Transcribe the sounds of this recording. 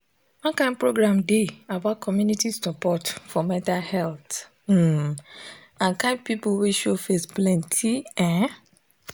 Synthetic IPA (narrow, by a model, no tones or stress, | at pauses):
wɔ̃nkãɪnpɹoɡɹãmdeabaʊt̚kʰɔmjunitisɔpɔtfɔmɛ̃ntalhɛlt̩ | ãnkãnpipuweʃofesplɛ̃ntʰiɛ̃